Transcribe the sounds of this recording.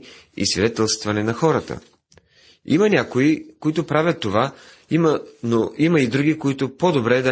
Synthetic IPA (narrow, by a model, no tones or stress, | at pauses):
ḭsvʲid̪ɛt̪ɛlˠst̪vɐnɛnɐxɔɾət̪ə̰ | ḭmɐnʲakoikoit̪ʊpɾavʲət̪ːova | mənoiməid̪ɾuɡikoit̪ʊpod̪obɾɛd̪ɐ